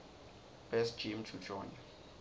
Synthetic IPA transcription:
b̥ɛsd͡ʒ̥imtʰud͡ʒɔn

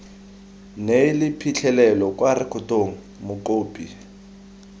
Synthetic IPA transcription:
nelɪpʰit͡ɬʰɛlɛlɔkʼwarɪkʰʊtoŋ̩ | mʊkoːpʼi

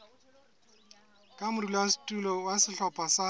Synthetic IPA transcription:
kʼamʊrilɔasi̥tʼulɔwasɪɬɔpʼasa

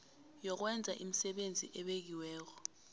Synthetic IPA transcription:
jɔk̬wɛnd͡zʱaʔim̩sɛɓend͡zʱḭʔɛɓek̬iwɛːk̬ɔ

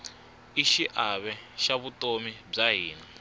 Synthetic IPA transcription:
iʃiʔaβɛʃaβutʼomib͡ʐaɦiːna

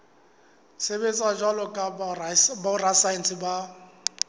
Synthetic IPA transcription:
sebet͡sʼaʒwalɔkʼabarasansɪba

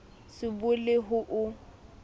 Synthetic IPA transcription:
sɪbʊlɪɦʊʔʊ

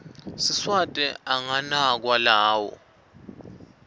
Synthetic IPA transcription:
siswatʼɛaŋanak̬walaːwɔ̰

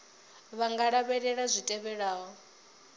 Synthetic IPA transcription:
βaŋɡaɺaβɛɺɛɺazʷitʼɛβɛɺaːɦɔ

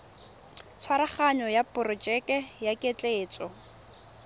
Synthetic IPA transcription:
t͡sʰwaɾaχaɲɔjapʊrɔt͡ʃɛkʼɛjakʼet͡ɬʼeːt͡sʼɔ

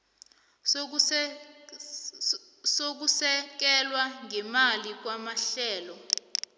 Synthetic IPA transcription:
sok̬usɛk̬ɛlwaŋɛmalik̬wamaɬɛːlɔ

